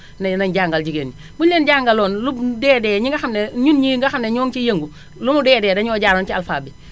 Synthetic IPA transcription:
nanaɲɟaːŋɡalɟiɡeːni | bullenɟaːŋɡalɔːnlubdɛːdɛːɲiŋɡaxamneɲunɲiŋɡaxamneɲɔːŋt͡ʃijeŋɡu | lumudɛːdɛːdaɲɔːɟaːɾoːnt͡ʃialfaːbi

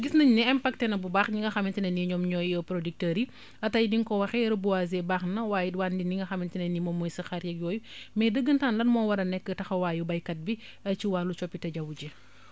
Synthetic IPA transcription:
ɡisnɐɲniɛmpak̚tɛnɐbubaxɲiŋɡɐxɐmintinɐniɲɔmɲɔːjjɔpɾɔdik̚təɾi | ɐtɐjdiŋkɔwɐxɛɾɐbuwazɛbaːxnɐwaːjiwandiniŋɡɐxɐmintinɐnimɔmːɔjsɐxaɾjɛk̚jɔːjumɛːdəɡːəntaːnlɐnmɔːwɐɾɐnɛkːətɐxɐwaːjubɐjkɐt̚bi | ɐt͡ʃiwaːlːut͡ʃɔpːitɐɟɐwud͡ʒɛ

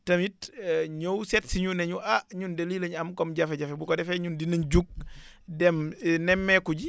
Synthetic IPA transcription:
tɐmitɲowsɛtsiɲunɛɲuʔaɲundeliːlɐɲamkɔmɟafɛɟafɛbukɔdɛfɛɲundinɐnɟuk̚dɛmnɛmːɛkuɟi

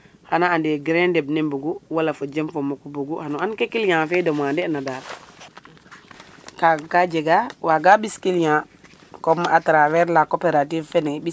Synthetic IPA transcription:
hanaandeɡɾendebnembuɡuwalafod͡ʒemfomokubuɡuhanuankekilɲãːfɛdomandɛnada | kakad͡ʒeɡawaɡaɓiskilɲã | komːaʔatɾawɛɾlakopeɾativfɛnebi

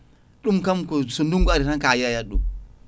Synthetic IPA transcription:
ɗumkamkɔsɔnduŋɡɔaɾitankajajaɗṵm

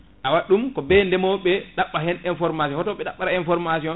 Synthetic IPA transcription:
ʔawaɗumkɔbɛndɛmɔɓɛɗaɓːaɦɛninfɔɾmas̬jɔhɔtɔɓɛɗaɓːaɾainfɔɾmasiɔn

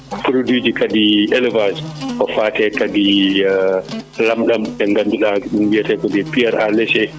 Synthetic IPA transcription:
pɾodud͡ʒikadiʔɛlɛvad͡ʒkɔfaːtɛkadi | lamɗamɓɛŋɡandulaɗumbijatɛkɔdɛpiaɾʔa̰lɛʃɛ

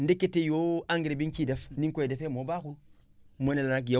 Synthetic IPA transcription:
ndekːetːejoaŋɡɾebinkidefniŋkojedefemobakun | monelanak̬ija

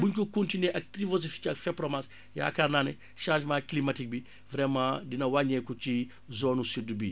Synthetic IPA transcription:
buɲkukõntineʔɐk̚tɾivozifi̥cɐkfɛpɾɔmas | ja̰ːkanaːnɛ | ʃãːʒmãːklimatik̚bi | vɾɛmãdinɐwaɲɛkut͡ʃi | zoːnusidbi

